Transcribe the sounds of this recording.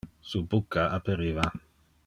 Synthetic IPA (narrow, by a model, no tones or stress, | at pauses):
subukːaʔapeɾiva